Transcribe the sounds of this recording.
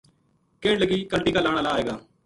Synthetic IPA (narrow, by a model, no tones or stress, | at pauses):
keːɳləɡiːkəɳʈiːkaːlaːɽ̃aːlaːeːɡaː